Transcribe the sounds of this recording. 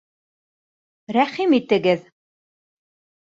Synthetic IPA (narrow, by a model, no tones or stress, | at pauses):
ɾæχimit̪ɘ̆ɡɘð